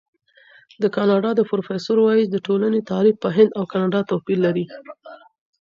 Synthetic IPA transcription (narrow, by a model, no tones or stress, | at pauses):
d̪əkɑnɑɖɑd̪əpɾofesoɾwɑjisd̪əʈolanet̪ɑɾifpəɦɪnd̪awkɑnɑɖɑt̪apilːaɾi